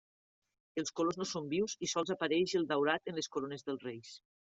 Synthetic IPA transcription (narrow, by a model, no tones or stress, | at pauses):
elˠskoloznosombiwzisɔlˠzapaɾɛʃelˠd̪awɾat̪ənleskoɾonezðəlˠrejs